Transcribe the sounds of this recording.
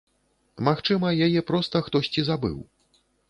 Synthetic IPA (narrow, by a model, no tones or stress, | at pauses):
maxt͡ʂɨmɐjajɛpɾɔst̪ɐxt̪ɔsʲt͡sʲizabɨ̰w